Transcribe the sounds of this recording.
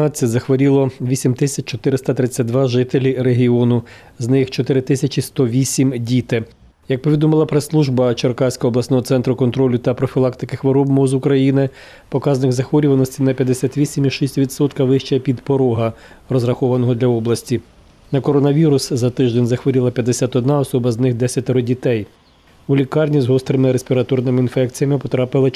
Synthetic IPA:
nɑt͡sʲːɐtʲzɐxʋɐɾʲilˠɔʋʲisʲimt̪ɪsʲɐt͡ʃt͡ʃɔt̪ɪɾɪst̪ɐt̪ɾɪt͡sʲːat̪̚ʲd̪ʋɑʒɪt̪elʲireɦʲiɔnʊ | znɪxt͡ʃɔt̪ɪɾɪt̪ɪsʲɐt͡ʃist̪ɔʋʲisʲimdʲit̪ɪ | jɐk̚pɔʋʲid̪ɔmɪlˠɐpɾeslˠuʒbɐt͡ʃɐrkɑsʲkɔɦɔblˠɐsʲnɔɦɔt̪sɛnt̪ɾʊkɔnt̪ɾɔlʲːʊt̪ɐpɾɔfʲilˠɑkt̪ɪ̥kɪxʋɔɾɔbmɔzʊkɾɐjinɪ | pɔkɑzɐnɪɣzɐxʋɔɾʲʊʋɐnɔsʲtʲinɐpʲjɐd̪ːesʲat̪ʋʲisʲimʲiʃisʲtʲʋʲid̪sɔt̪kɐʋɪʃt͡ʃɛpʲid̪pɔɾɔɦɐ | rɔzrɐxɔʋɐnɔɦɔd̪lʲɐɔblˠɐsʲtʲi | nɐkɔɾɔnɐʋʲiɾʊszɐt̪ɪʒd̪enʲzɐxʋɔɾʲilˠɐpʲjɐd̪ːesʲat̪ɔd̪nɑɔsɔbɐznɪxd̪ɛsʲɐt̪̚ʲeɾɔdʲit̪ɛj | ulʲikɑrnʲizɦɔst̪ɾɪmɪɾespʲiɾɐt̪ɔrnɪmɪinfɛkt͡sʲijɐmɪpɔt̪ɾɑpɪlˠɪ

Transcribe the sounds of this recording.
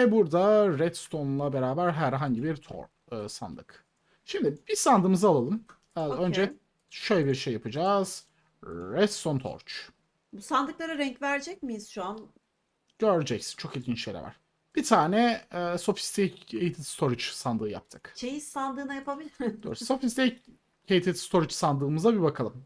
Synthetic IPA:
ɛbuɾd̪aɾɛt̪st̪ʰo̞nlˠabe̞ɾaːbæɾɦæɾɦaɲɟibiɾt̪ʰo̰ɾ | ɯːsa̰nd̪ɯk | ʃimd̪ibizsand̪ɯːmɯzalˠalˠɯm | ø̞nd͡ʒɛ | ʃøjlʲɛbiɾʃejːapɯd͡ʒaːz̥ | ɾɛt̪st̪ʰont̪ʰo̞̰ɾt͡ʃ | busand̪ɯklˠaɾɯɾɛɲcvæɾd͡ʒɛc̚mijiz̥ʃuan | ɟ̥øɾd͡ʒɛcsi̥nt͡ʃʰo̞kilʲɟʲint͡ʃʃejlʲɛ̰va̰ɾ̥ | b̥it̪ʰaːnɛɛːso̞fi̥st̪ʰiejt̪ʰit̪st̪ʰo̞ɾit͡ʃsand̪ɯːja̰p̚t̪ʰɯ̥kt͡ʃʰejissand̪ɯːnajapabilʲid̪o̰ːɾsso̞fist̪ʰi | ejt̪ʰɛt̪st̪ʰo̞ɾit͡ʃsand̪ɯːmɯzabibakʰalˠɯm

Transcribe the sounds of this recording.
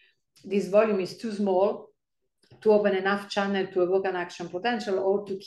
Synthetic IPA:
d̪isvɔljumist̪usmɔːl | t̪uopɛ̃nɛnaft͡ʃãnɛlt̪uəwokãnakʃɔ̃npɔt̪ɛ̃nʃalɔɾt̪uk

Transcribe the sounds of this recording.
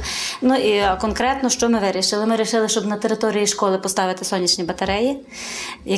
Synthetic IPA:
nuikɔnkɾɛt̪nɔʃt͡ʃɔmɪʋɪɾʲiʃɪlˠɪmɪɾʲiʃɪlˠɪʃt͡ʃɔbnɐt̪eɾɪt̪ɔɾʲijiʃkɔlˠɪpɔst̪ɑʋɪt̪ɪ̥sɔnʲːit͡ʃnʲibɐt̪ɐɾɛji | jɐ

